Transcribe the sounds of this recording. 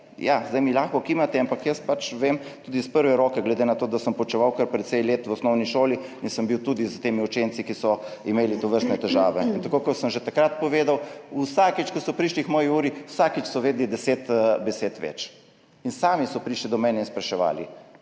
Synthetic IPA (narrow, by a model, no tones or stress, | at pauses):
jazd̪ajmilaːxkɔkimat̪ɛampakjəspat͡ʃʋemt̪uːd̪ispəɾʋɛɾoːkɛɡlɛd̪enat̪oːd̪asəmpɔt͡ʃɛʋawkəɾpɾɛt̪sejleːt̪wɔsnɔwniʃoːliinsəmbiwt̪uːd̪izt̪eːmiut͡ʃeːnt̪sikisɔimeːlit̪ɔʋəɾst̪nɛt̪ɛʒaːʋɛint̪akoːkɔsəmʒɛt̪akɾat̪̚pɔʋeːd̪awusakit͡ʃkɔsɔpɾiʃlixmɔːjiuːɾiusakit͡ʃsɔʋeːd̪lid̪ɛseːt̪bɛseːt̪ʋɛ̰t͡ʃ | insaːmisɔpɾiːʃlid̪ɔmɛːnɛinspɾɛʃɛʋa̰ːlḭ